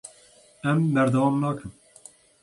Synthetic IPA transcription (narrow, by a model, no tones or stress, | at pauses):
ɛmbɛɾd̪ɛwɑːmnɑːkʰɨm